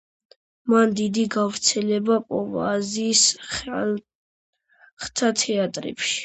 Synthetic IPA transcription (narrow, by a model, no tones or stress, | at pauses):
mand̪id̪iɡavɾt̪sʰɛlɛbapʼɔva̰ziːs | χt̪ʰat̪ʰɛat̪ʼɾɛ̰pʃi̥